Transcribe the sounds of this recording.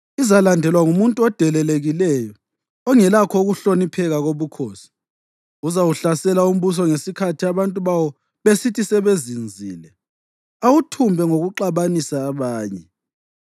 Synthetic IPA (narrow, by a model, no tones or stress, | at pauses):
izalandʱɛlwaŋumuntʼuɔd̥ʱɛlɛleɣilɛjɔː | ŋɛlakʰɔuɣuɬonipʰɛɣaɣoβukʰoːsi̥ | uzawuɬasɛlaum̩βus̬ɔŋesikʰatʰiaβantʼuβawɔ | βesitʰisɛβezind͡zʱiːlɛ | awutʰumbʱɛŋoɣuǃaβanisaːβaːɲɛ